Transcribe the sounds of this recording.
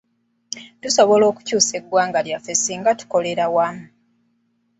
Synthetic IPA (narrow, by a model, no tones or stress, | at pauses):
tuso̞βo̞lo̞ːku̥cuːse̞ɡwaːŋɡaljafesiːŋɡatu̥ko̞le̞ɾawamu